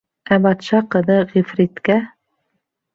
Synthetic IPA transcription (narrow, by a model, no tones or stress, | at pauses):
æbɑt̪ʃɑqɤ̆ðɤʁifɾit̪kæ